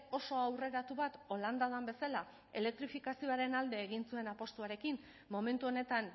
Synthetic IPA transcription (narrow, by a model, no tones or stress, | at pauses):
o̞so̞awre̞ɾat̪uβat̪o̞land̪aðambe̞sala | e̞le̞k̚t̪ɾifikasioaɾe̞nald̪e̞ːɣinsue̞napo̞st̪uaɾe̞kin | mo̞me̞nt̪uo̞ne̞t̪an